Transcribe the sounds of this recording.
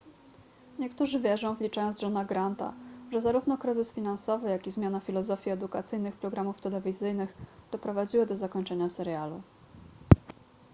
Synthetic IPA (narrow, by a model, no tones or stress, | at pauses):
ɲɛkt̪uʐɘvʲjɛʐɔ̃w̃vlʲit͡ʂajɔnzʐɔnaɡɾant̪a̰ʐɛzaɾuvnɔkɾɘzɘsfʲin̪ansɔvɘjakʲizmʲjanafʲilɔzɔfʲjiɛd̪ukat̪sɘjnɘxpɾɔɡɾamuft̪ɛlɛvʲizɘjnɘxd̪̥ɔpɾɔvad͡ʑiwɘd̪ɔzakɔɲt͡ʂɛɲasɛɾjalṵ